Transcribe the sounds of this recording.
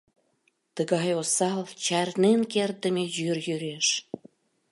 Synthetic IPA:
t̪əɣɑjosɑlt͡ɕɑrnenkert̪̚d̪əmejyrjyɾeʃ

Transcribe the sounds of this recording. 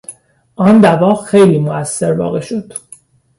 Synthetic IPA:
ʔɒːnd̪ævɒːxe̞jliːmoæsːe̞ɾbɒ̰ːɣe̞ʃo̞d̪̥

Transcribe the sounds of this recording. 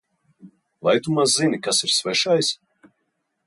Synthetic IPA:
vajt̪umazzinʲikasiɾsvɛʃajs

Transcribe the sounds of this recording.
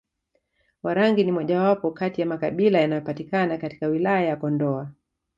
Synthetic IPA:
waɾaŋɡinimɔʄawapɔkatijamakaɓilajanajɔpatikanakati̥kawilajajakɔndɔa

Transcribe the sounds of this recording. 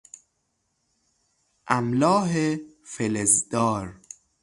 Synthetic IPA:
ʔæmlɒːɦefelezd̪̥ɒːɾ

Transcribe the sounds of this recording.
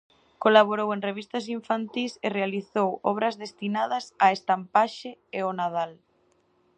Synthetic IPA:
kolaβ̞oɾowẽŋreβist̪ɐsiɱfant̪iserealiθowɔβɾɐzðest̪inaðɐsaest̪ampaʃɪeonað̞al

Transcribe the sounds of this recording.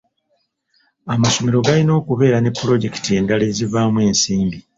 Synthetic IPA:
amaso̞meɾo̞ɡalino̞ːkuβe̞ːɾane̞pːuɾo̞ɟe̞ki̥tieːndale̞zivamwe̞ːnsiːmbi

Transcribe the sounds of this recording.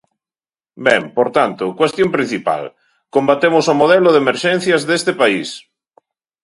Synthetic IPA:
bɛmpoɾt̪ant̪ʊkwest̪jompɾin̟θipa̰l | kombat̪emosomoðɛlʊðemeɾʃen̟θjazðest̪epais

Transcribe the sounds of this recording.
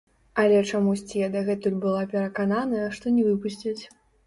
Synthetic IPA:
ɐlʲɛt͡ʂamusʲt͡sʲijɛd̪ɐɣɛt̪ulʲbɨlˠapʲɛɾɐkananɐjɐʂt̪ɔnʲɛvɨpusʲt͡sʲit͡sʲ

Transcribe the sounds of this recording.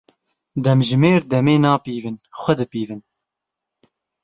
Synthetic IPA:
d̪ɛmʒɨmeːɾd̪ɛmeːnɑːpiːvɨnxʷɛd̪ɨpiːvɨn

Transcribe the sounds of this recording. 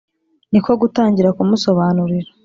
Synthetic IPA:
niko̞ɡutaːɲɟiɾakumuso̞βaːnuɾiɾḁ

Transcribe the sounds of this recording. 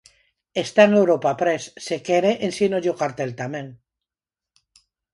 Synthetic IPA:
est̪aenewɾopapɾesːekeɾeʔensinoʝokaɾt̪elt̪amẽŋ

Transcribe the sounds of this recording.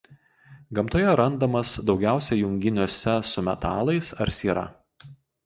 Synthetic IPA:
ɡɐmt̪oːjɛɾɐnd̪ɐmɐsd̪ɒʊɡʲæˑʊsʲɛjʊŋʲɡʲɪnʲuːsʲɛsʊmʲɛ̰t̪ɑːlˠɐɪsɐɾsʲiːɾɐ̰

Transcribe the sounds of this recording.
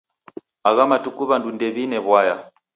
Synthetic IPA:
aɣamatukuβandundɛβinɛβwaja

